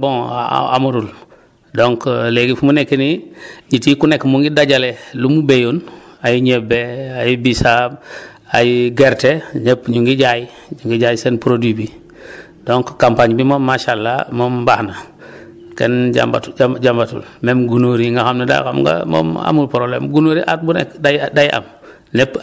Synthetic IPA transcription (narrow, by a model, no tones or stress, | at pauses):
boŋ̰a̰muɾul | doŋkleɡifumunekːiniɲitikunekmuŋɡidaɟalelumubejonajiɲebeajibisab | ajiɡeɾteɲepɲuŋɡiɟaji | ɲuŋɡiɟajisenpɾodwibi | doŋkkampaɲbimomːaʃalːa̰moːmbahna | kḛnɟa̰mba̰tuɟambatṵlmemɡunoɾiŋɡaxamnada̰j̰xa̰mɡa̰mo̰ma̰mulpɾoblḛmɡunoːɾiʔa̰t̚bunḛkdadajʔa̰m | nep